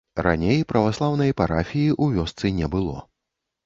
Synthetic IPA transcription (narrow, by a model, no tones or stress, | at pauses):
ra̰nʲejpɾɐvaslˠawn̪ɐjpaɾafʲijiʔuvʲɔst̪sɨnʲɛbɨlˠɔ̰